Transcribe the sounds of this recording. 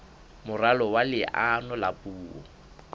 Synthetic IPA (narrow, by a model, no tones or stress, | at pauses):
mʊralɔwalɪʔanɔlapʼuːɔ̰